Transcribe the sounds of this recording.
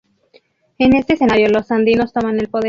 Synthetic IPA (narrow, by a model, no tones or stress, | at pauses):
e̞ne̞st̪ese̞naɾjo̞lo̞sand̪ino̞st̪o̞mane̞lpo̞ðe